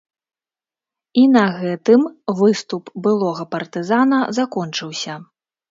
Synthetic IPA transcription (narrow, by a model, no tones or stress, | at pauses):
inɐɣɛt̪ɨmvɨst̪upbɨlˠɔɣɐpɐrt̪ɨzanɐzakɔnt͡ʂɨwsʲɐ